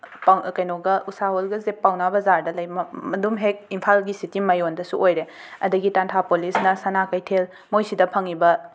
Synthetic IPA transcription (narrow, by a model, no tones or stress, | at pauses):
pawkɐjnoɡɐʔusaɦolɡɐzepːawnabɐzaɾdɐlɐjmɐmɐdumɦek̚impʰalɡisitimɐjondɐsuojɾe | ɐdɐɡitantʰapolisnɐsɐnakɐjtʰel | mojsidɐpʰɐŋibɐ